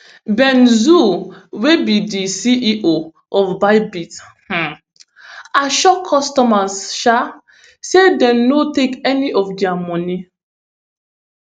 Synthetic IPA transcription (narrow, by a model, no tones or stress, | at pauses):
bɛ̃nzuwebidisiʔiʔo | ɔfbaɪbit | hã | aʃɔkʰːɔstɔmasʃa | sedɛ̃mnotekɛniʔɔfdiamɔ̃ni